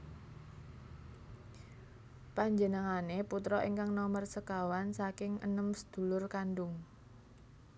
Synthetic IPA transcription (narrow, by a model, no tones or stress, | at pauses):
paɲd͡ʒənəŋaneput̪ɾɔʔiŋkaŋnɔmərsəkawansakɪŋʔə̰nəmsə̥d̪̥ṳlʊrkanɖʊŋ